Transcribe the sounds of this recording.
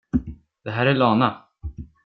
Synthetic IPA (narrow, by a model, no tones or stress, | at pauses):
d̪̥ɛɦæːɾæɭɑːna